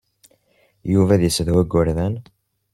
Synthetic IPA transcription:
juvæðjəsðwæɡːʊɾðæn

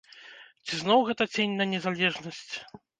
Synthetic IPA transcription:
t͡sʲiznɔwɣɛt̪ɐt͡sʲenʲnɐnʲɛzalʲɛʐnɐsʲt͡sʲ

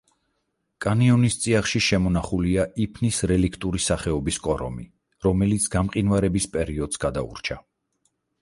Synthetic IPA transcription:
kʼaniɔnist̪sʼiaχʃiʃɛmɔnaχuliaʔipʰnisɾɛlikʰt̪ʼuɾisaχɛɔbiskʼɔɾɔ̰mi | ɾɔmɛlit̪sʰɡ̥amqʼinvaɾɛbispʼɛɾiɔd̪̥zɡ̥ad̪aṵɾt͡ʃʰa

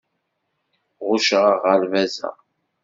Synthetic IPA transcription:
ʁʊʃʁəʁəɾvæzæ̰

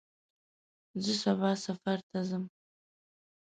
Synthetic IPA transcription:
zɨsʷabasafartʰazɨm

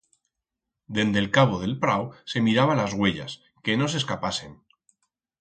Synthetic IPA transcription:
d̪e̞nd̪e̞lkaβ̞o̞ð̞e̞lpɾawse̞miɾaβalazɣwe̞ʎa̰s | keno̞s̬e̞skapase̞n

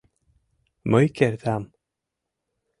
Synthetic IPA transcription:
mœːɥjcɛɾðam

